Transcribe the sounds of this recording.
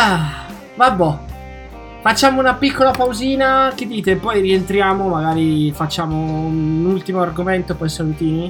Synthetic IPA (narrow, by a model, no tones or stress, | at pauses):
a | vabːɔ | fat͡ʃːaːmounapikːolapawziːnak̟ed̪ːiːt̪epːɔjrient̪ɾjaːmomaɡaːɾifat͡ʃːaːmounult̪imoarɡoment̪opɔjsalut̪iːni